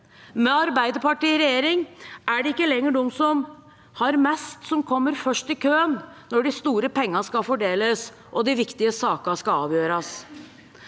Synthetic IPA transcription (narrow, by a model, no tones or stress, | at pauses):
mɛɑɾbæɪd̪əpɑʈiːɾɛjeːɾɪŋʔæɖɛɪkːəlɛŋːəɖɔmsɔm | hɑɾmɛst̪sɔmkʰɔmːəɾfœʂʈɪkʰøːənnɔɖɪst̪uːɾəpɛŋːɑskɑfɔɖeːləs | ʔɔd̪ɪʋɪkt̪ɪəsɑːkɑskɑɑ̰ːʋjøːɾɑs